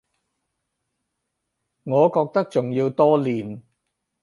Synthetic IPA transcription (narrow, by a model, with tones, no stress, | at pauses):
ŋɔː˨˧kɔː˧k̚t̪ɐ˥k̚t͡sʊ˨ŋjiː˧wt̪ɔː˥liː˨˩n